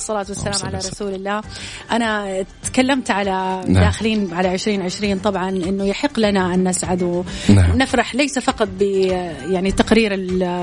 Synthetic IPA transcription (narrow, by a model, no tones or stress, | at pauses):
sˤːɑlaːt̪wasːalaːmʕalaɾˤɑsuːlɪlːaːʔanat̪kalːamt̪ʕalanad̪aːxɪliːnʕalaʕɪʃɾiːnʕɪʃɾiːnt̪ˤɑbʕɑnʔɪnːʊjaħɪqːlanaʔanːasʕad̪w̰nɪfɾɑħlajsafɑqɑt̪̚ˤbɪ | jaʕnit̪aqɾiːɾɪ